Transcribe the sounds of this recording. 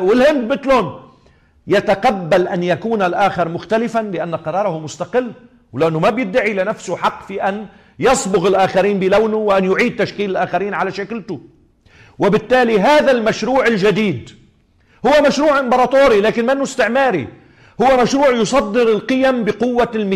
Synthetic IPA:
wɪlhɪnd̪mɪt̪lhʊn | jat̪aqabːalʔanjakuːnalʔaːxɪɾˤmʊxt̪alɪfanlɪʔanːaqɑɾˤɑːɾˤɑhʊmʊst̪aqɪlː | wlanːʊmabjɪd̪ːaʕilɪnafsʊħɑqːfiːʔan | jɑsˤbʊɣɪlʔaːxaɾiːnbɪlawnʊwʔanjʊʕiːd̪̚t̪ːaʃkiːlɪlʔaːxaɾiːnʕalaʃakɪlt̪ʊ | wɪbɪt̪ːaːliɦaːðalmaʃɾuːʕɪlʒad̪iːd̪ | hʊwːamaʃɾuːʕʔɪmbɑɾˤɑːt̪oːɾilaːkɪnmanːʊɪst̪ɪʕmaːɾi | hʊwːamaʃɾuːʕjʊsˤɑd̪ːɪɾɪlqɨjambɪqʊwːalmɪ

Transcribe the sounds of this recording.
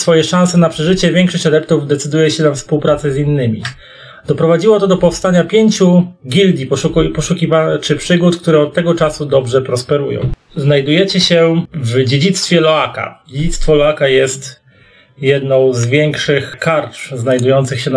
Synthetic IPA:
sfɔjɛʂãw̃sɛnapʂɛʐɘt͡ɕɛvʲjɛŋkʂɔɕt͡ɕad̪ɛpt̪uvd̪ɛt̪sɘd̪ujɛɕɛnafspuwpɾat̪sɘzinːɘmʲḭ | d̪̥ɔpɾɔvad͡ʑiwɔt̪ɔd̪ɔpɔfst̪aɲapʲjeɲt͡ɕuɡʲild̪ʲipɔukpɔʂukʲivat͡ʂɘpʂɘɡut̪k̚t̪uɾɛɔt̪ːɛɡɔt͡ʂasud̪ɔbʐɛpɾɔspɛɾujɔ̰̃w̃ | znajd̪ujɛt͡ɕɛɕɛvd͡ʑed͡ʑit̪st̪fʲjɛlɔaka̰d͡ʑed͡ʑit̪st̪fɔlɔakajɛst̪ | jɛd̪nɔ̃w̃zvʲjɛŋkʂɘxkaɾtznajd̪ujɔnt̪sɘxɕɛ

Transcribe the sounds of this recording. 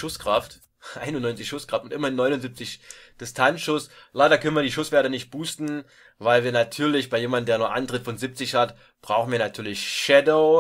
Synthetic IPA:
ʃʊskʁ̥aft | ʔaɪnʊnɔʏnt͡sɪçʃʊskʁ̥aftʊntʔɪmɐɪnːɔʏnʊnzip̚t͡sɪçd̥ɪstʰansʃʊslaɪɾɐkʰœnən̩viːɐdiːʃʊsv̥ɛɐtənɪçt̚b̥uːstn̩ | vaɪlviːɐnatʰyːɐlɪçb̥aɪjeːmandn̩deːɐnuːɐʔa̰ntʁ̥ɪtfɔnzip̚t͡sɪçhat | b̥ʁaʊxn̩viːɐnatʰyːɐlɪçʃɛdoʊ

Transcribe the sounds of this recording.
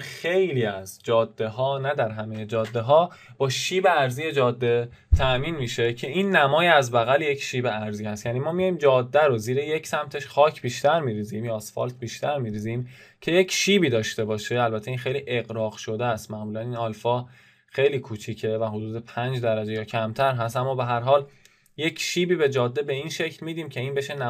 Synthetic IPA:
xe̞jliːæzd͡ʒɒːd̪ːe̞ɦɒːnæd̪æɾɦæmejed͡ʒɒːd̪ːe̞ɦɒː | b̥ɒːʃiːbe̞æɾziːjed͡ʒɒːd̪ːe̞ | t̪ʰæʔmiːnmiːʃe̞cʰe̞inːæmɒːjeæzbæɣælje̞cʰʃiːbeæɾziːhæst̪jæniːmɒːmijɒjimd͡ʒɒːd̪ːæɾoziːɾeje̞cʰsæmt̪ʰe̞ʃxɒːcʰb̥iːʃt̪æɾmiɾiːziːmjɒːsfɒ̰lt̪̚ʰbiːʃt̪æɾmiːɾiːzim | cʰe̞jecʰʃiːbiːd̪ɒːʃt̪e̞bɒːʃe̞ælbæt̪ʰeinxe̞jliːʔe̞ɣɾɒːɣʃo̞d̪eæst̪mæɣmuːlæninɒːlfɒː | xe̞jliːkʰuːt͡ʃʰiːcʰe̞væɦod̪uːd̪e̞pʰænd͡ʒd̪æɾæd͡ʒejɒːcʰæmt̪ʰæɾɦæst̪ʔæmːɒːbe̞ɦæɾɦɒːl | je̞cʰʃiːbiːbe̞d͡ʒɒːd̪ːe̞be̞inʃe̞cʰlmiːd̪iːmcʰe̞iːnbe̞ʃenæ

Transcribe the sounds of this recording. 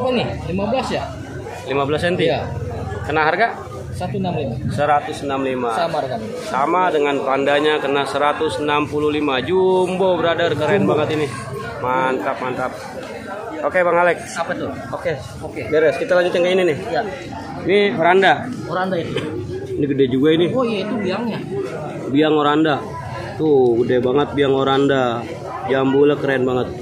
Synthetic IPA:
panɪlimabəlasja | limabəlasɛnt̪iakənaɦarɡaʔ | sat̪unamlimasəɾat̪ʊsnamlimaamaɾɡan | samadəŋanpandaɲakərnasəɾat̪ʊsnampululimad͡ʒumbobəɾadarkəɾanbaŋət̪inɪ | mant̪ap̚mant̪ap̚ | okebaŋalɛk̚at̪u | oke | okebeɾɛskit̪alaɲd͡ʒut̪̚ɲaŋkaininɪhja | nioɾandaoɾandait̪unikədɛd͡ʒuɡainiojait̪ubiaŋɲa | biaŋoɾanda | t̪ukədɛbaŋət̪̚biaŋoɾanda | d͡ʒambulakəɾanbaŋət̪̚

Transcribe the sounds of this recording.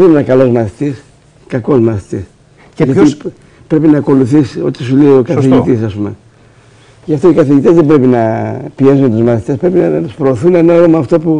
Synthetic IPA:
ðenenɐkɐlo̞zmɐθi̥t̪is | kɐko̞zmɐθi̥t̪is | ʝɐt̪i | pɾe̞pinɐːko̞luθiso̞t̪is̬uleio̞kɐθiʝit̪is̬ɐspume̞̰ | ʝɐft̪o̞ikɐθiʝit̪ezðe̞bɾe̞pinɐpie̞sunet̪uzmɐθit̪espɾe̞pinɐt̪uspɾo̞ːθunenɐoɾomɐːft̪o̞pu

